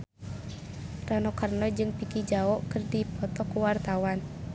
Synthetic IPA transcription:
ranɔkarnɔd͡ʒɨŋpikid͡ʒaɔʔkɨrdipɔt̪ɔkuwart̪awan

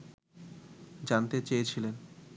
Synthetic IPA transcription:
d͡ʑant̪et͡ɕejet͡ɕʰilen

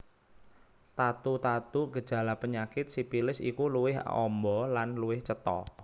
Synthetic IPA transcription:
t̪at̪ut̪at̪uɡə̥ʒ̥a̤lapəɲakɪt̪̚sipilɪsḭkuluwɪɦɔ̰mbɔlanluwɪht͡ʃət̪ɔ̰

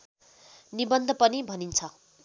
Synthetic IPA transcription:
nibʌnd̪ʱʌpʌnibʱʌnint͡sʰʌ

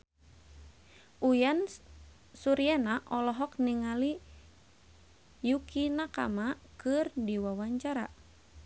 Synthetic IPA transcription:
ʔujan | suɾianaʔɔlɔɦɔk̚niŋali | jukinaka̰makɨrdiwawaɲt͡ʃaɾa̰

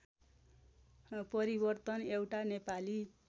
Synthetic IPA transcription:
pʌɾibʌrt̪ʌnewʈanepali

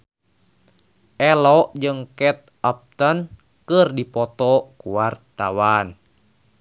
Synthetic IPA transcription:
ʔɛlɔʔd͡ʒɨŋkɛt̪̚ap̚t̪ən | kərdipɔt̪ɔkuwart̪awan

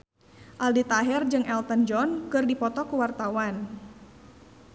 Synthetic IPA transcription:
ʔaldit̪aɦɛrd͡ʒɨŋɛlt̪ənd͡ʒɔnkɨrdipɔt̪ɔkuwart̪awan

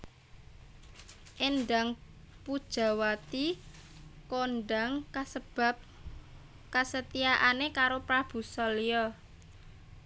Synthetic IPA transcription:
ʔenɖaŋ | pud̥ʒ̥a̤wat̪i | konɖaŋəbap̚ | kasət̪ijaʔanekaɾopɾab̥ṳsɔlijɔ

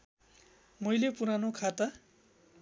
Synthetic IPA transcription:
mʌjlepuɾanokʰat̪a

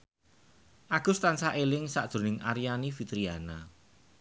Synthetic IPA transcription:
ʔaɡ̥ʊ̤st̪ansaʔelɪŋsaʔd̪̥o̤nɪŋʔaɾianifit̪ɾiana

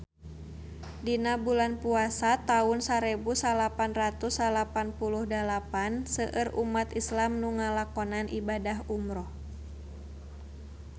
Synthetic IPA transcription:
dinabulanpuasat̪aʊnsaɾɛbusalapanrat̪usalapanpuluhdalapansəʔərʔumat̪islamnuŋalakɔnanʔibadaɦumɾɔh

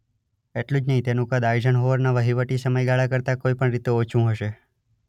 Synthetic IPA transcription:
eʈlũd͡ʒnəɦĩt̪enũkəd̪aid͡ʒənɦoʋəɾnaʋəɦiʋəʈisəməjɡaɭakəɾt̪akoipəɳɾit̪eot͡ʃʰũɦəʃe

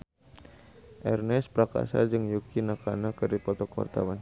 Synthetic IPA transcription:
ʔɛrnɛspɾaka̰sa̰d͡ʒɨŋjukinakʰanakɨɾipɔt̪ɔkwa̰rt̪a̰wan

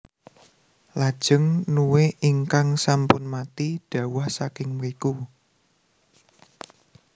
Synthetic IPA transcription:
lad̥ʒ̥ə̤ŋnuweiŋkaŋsampʊnmat̪iɖ̥ä̤wahsakɪŋmɾiku

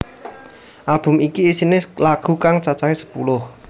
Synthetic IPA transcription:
ʔalb̥ʊ̤mikiisinɪlaɡ̥ṳkaŋt͡ʃat͡ʃaɦesə̥pṵlʊh

